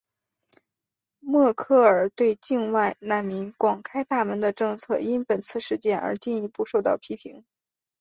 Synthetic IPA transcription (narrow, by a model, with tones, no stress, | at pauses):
mwɔ˥˧kʰɤ˥˩ə˞˨˩t̪we˥˧ɪt͡ɕi˥˧nwa˥˧ɪna˥˩nmi˧˥nkwɑ˨˩ŋkʰa˥ɪt̪a˥˩mə˧˥nd̪ə˧ʈ͡ʂɤ˥˧ŋt͡sʰɤ˥˩i˥npə˨˩nt͡sʰɹ̩˥˧ʂɻ̩˥˧t͡ɕjɛ˥˩nə̰˞˧˥t͡ɕi˥˩ni˧˥pu˥˧ʂo˥˧ʊt̪ɑ̰˥˩ʊpʰi˥pʰi˧˥ŋ